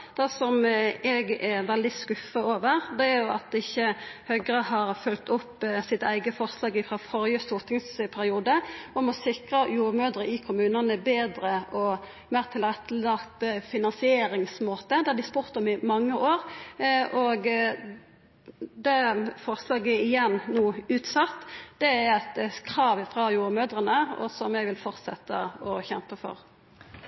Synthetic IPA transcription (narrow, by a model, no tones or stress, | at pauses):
d̪̥ɛsɔmɛɡɛʋɛld̪ɪskʉfːəoːʋəʁd̪ɛæɾjʊɑt̪ɪçːəhœɡʁəhɑːʁfʉlt̪ʰʊpːsɪt̪əæɪɡəfɔʁslɑːɡɪfɾɑfɔɾjəst̪ʊːʁt̪ʰɪŋspʰæɾɪuːd̪əɔmɔsɪkʁəjuːʁmøːd̪ɾəʔɪkʰʊmʉːnənəbeːd̪ɾəʔɔ | mæːʁt̪ʰɪlʁɛt̪ʰːəlɑkt̪fɪnɑnsɪeːɾɪŋsmoːt̪əd̪ɛæd̪ɪspuːʁt̪ɔmɪmɑŋːəʔoːʁʔɔɡ | d̪ɛfɔʁslɑːɡɛɪjɛnːnuːʉːt̪sɑt̪ːd̪̥ɛæɾɛt̪kʰɾɑːʋɪfʁɑjuːɾəmøːd̪ʁənəɔ̰sɔmɛɡʋɪlfɔʁt̪sɛt̪ːə̰ɔçɛmpəfɔ̰ʁ